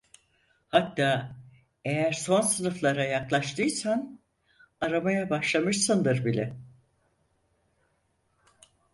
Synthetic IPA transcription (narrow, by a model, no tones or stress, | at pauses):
hat̪ːaː | ejæɾso̞nsɯnɯflˠaɾajaklˠaʃt̪ʰɯjsan | aɾamajabaʃlˠamɯʃsɯnd̪ɯɾbilʲɛ